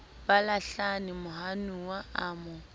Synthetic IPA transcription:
b̥alaɬanɪmʊhanuwaaːmʊ

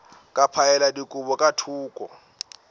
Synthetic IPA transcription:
kʼapʰaɛladikʼubɔkʼatʰuːkʼɔ̰

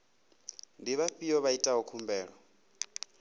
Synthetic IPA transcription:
ndiβaɸijɔβaitʼaɦukʰumbɛːɺɔ

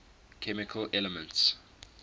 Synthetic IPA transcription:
kʰɛmɪkʰəlʔɛləmə̃nts

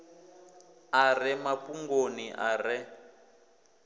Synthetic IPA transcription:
arɛmapuŋɡoniʔarɛ

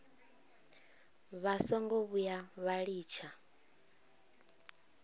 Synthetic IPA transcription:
βasɔŋɡɔβujaβaɺiːt͡ʃʰa

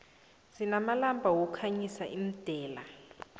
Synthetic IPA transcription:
zinamalambʱawɔkʰaɲisaʔim̩d̥ʱɛːla

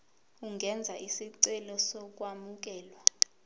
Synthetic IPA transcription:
uŋɡʱɛnd͡zʱaʔisiǀɛlɔsɔk̬ʼwamuk̬ɛːlwa

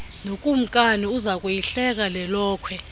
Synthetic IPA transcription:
nokʼum̩kʼaniuzakʼwujiɬɛk̬ʼalɛlɔːkʰwɛ

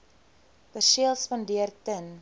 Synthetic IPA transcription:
b̥ərʃiəlˠspɑndiərtən

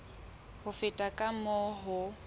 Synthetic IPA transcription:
hʊfɪtʼakʼamɔɦʊ

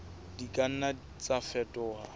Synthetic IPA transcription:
dikʼan̩na | t͡sʼafɛtʼɔɦa

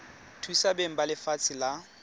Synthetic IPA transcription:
tʰuisabeŋ̩balɪfat͡sʰɪla

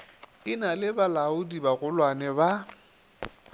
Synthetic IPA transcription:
ɪnalɪbalaʊdibaɣʊlwanɛba

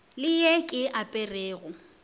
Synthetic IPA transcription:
lɪjɛkʼɪʔapʼɛreːɣʊ

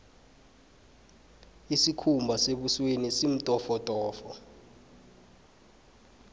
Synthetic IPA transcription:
isikʰumbʱaseɓuswenisim̩tʼɔfɔtʼɔːfɔ

